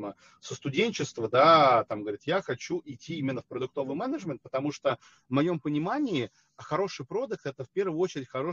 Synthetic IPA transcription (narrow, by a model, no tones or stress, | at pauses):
mə | səst̪ʊdʲenʲt͡ɕɪst̪vəd̪at̪amɡəvɐɾʲit̪jaxɐt͡ɕuʔɪtʲːiimʲɪnːəfpɾəd̪ʊk̚t̪o̞vɨjmɛnəʐmʲɪnt̪̚pət̪ɐmuʂt̪o | vmɐjo̞mpənʲɪmanʲɪɪ | xɐɾo̞ʂɨjpɾo̞d̪ək̚t̪ɛt̪əfʲpʲe̞rvəjəot͡ɕɪɾʲɪtʲxɐɾo̞